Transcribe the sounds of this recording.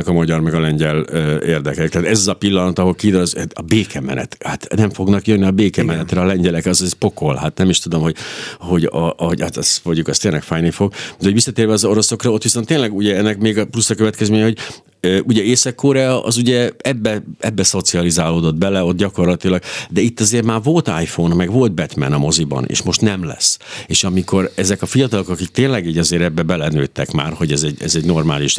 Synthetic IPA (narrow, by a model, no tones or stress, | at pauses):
ɛkɒmɒɟɒrmɛɡɒlɛɲɟɛløːeːrd̪ɛkɛkt̪aːt̪ɛzɒzɒpilːɒnɒt̪ɒɦo̞lkiːd̪øzt̪ɒbeːkɛmɛ̰nɛ̰t̪hat̪nɛɱfo̞ɡnɒkjønːiɒbeːkɛmɛnɛt̪rɛɒlɛɲɟɛlɛkɒzɛzpo̞ko̞lɦat̪nɛmiʃt̪ud̪o̞mho̞ɟho̞ɟɒ̰oɟhat̪ɛsfoɲɟukɒst̪eːnlɛkfaːjnifo̞ɡd̪ɛoɟʋisːɒt̪eːrvɛɒzo̞ɾo̞so̞krɒo̞t̪ːʋiso̞nt̪ːeːnlɛɡuɟɛɛnːɛkmeːɡɒplusːɒkøvɛt̪kɛzmeːɲɛho̞ɟ | øːʔuɟɛeːsɒkːoːɾaʔɒ̰zuɟɛɛbːɛɛbːɛso̞t̪siɒlizaːloːd̪o̞d̪bɛlɛo̞t̪̚ɟɒko̞rlɒt̪ilɒɡd̪ɛit̪ːɒzeːrmaːrvo̞lt̪a̰ːjfonmɛɡʋo̞lt̪̚bɛt̪mɛ̰nɒmo̞zibɒ̰nḛːʃmo̞ʃt̪nɛmlɛ̰seːʃɒmiko̞ɾɛzɛkɒfijɒt̪ɒlo̞kɒkik̚t̪eːnlɛɡiːɟɒzeːɾɛbːɛbɛlɛnø̰ːt̪ːɛkma̰ːrho̞ɟɛzɛɟɛ̰zɛɟno̞rmaːliʃ